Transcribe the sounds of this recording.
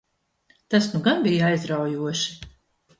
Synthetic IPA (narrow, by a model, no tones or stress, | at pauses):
t̪asnuɡanbijajzɾawjuɔʃi̥